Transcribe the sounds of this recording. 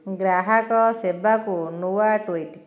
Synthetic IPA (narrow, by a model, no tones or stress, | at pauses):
ɡɾaɦakɔsebakunuwaʈuiʈ